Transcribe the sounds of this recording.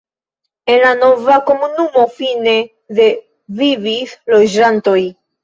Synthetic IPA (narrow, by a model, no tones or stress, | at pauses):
enlanovako̞munumo̞fine̞ | ðe | vivislo̞d͡ʒanto̞j